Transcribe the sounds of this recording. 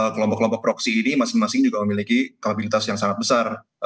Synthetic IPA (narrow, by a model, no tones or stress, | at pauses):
kəlɔmpɔkːlɔmpɔk̚pɾɔksiːnimasɪŋmasɪŋd͡ʒuɡaməmilikikaabilit̪asjaŋsaŋat̪̚bəsar